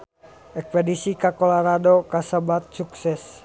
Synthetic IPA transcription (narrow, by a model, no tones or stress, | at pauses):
ɛk̚wɛdisikakolaɾadokasəbat̪̚suksɛs